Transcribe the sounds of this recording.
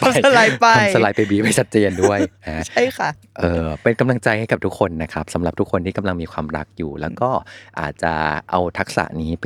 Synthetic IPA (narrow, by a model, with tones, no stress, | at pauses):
a˨sa˧laː˧jpa˧jsa˧laː˧˩jpa˧jbiː˦˥pa˧jt͡ɕʰa˦˥t̪̚t͡ɕeː˧ndu˥˩əjna˦t͡ɕʰa˥˩jkʰa˧˩ | ʔɤː˧pe˧nka˧mla˧ŋt͡ɕa˧jha˥˩jka˨˩p̚t̪u˦˥kʰːo˧nːa˦˥kʰa˦˥p̚sa˩˦mɾa˨˩p̚t̪u˦˥kʰːo˧nt̪ʰiː˥˩ka˧mla˧ŋmiː˧kʰwaː˧mɾa̰˦˥k̚juː˨˩lɛ̰ː˦˥wkɔː˥˩ʔa̰ː˨˩t̪̚t͡ɕa̰˨˩ʔa˧wt̪ʰa˦˥k̚sa̰˨˩˦ʔniː˦˥p